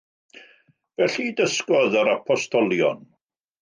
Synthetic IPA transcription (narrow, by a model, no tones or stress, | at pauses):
vɛɬidəskɔðəɾapʰɔstʰɔlˠjɔ̰n